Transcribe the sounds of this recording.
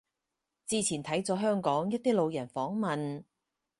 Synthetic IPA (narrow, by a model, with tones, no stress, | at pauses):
t͡siː˧t͡sʰiː˨˩nt̪ʰɐ˨˥jt͡sɔː˨˥ɦœː˥ŋkɔː˨˥ŋjɐ˥t̚t̪iː˥lo˨˧wjɐ˨˩nfɔː˨˥ŋmɐ˨n